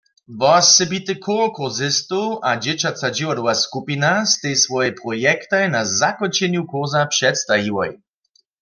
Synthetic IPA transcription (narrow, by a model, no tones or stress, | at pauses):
vɔsːɛbit̪ɨkʰuʁkuzɪst̪uʔad͡ʒɛt͡ɕat͡sad͡ʒiwad̪ɔwaskupinast̪ɛjsvɔjɛpʁɔjɛkt̪ajnazakɔnt͡ʃɛnjukuʁzapʂɛt̪st̪aɦiwɔ̰j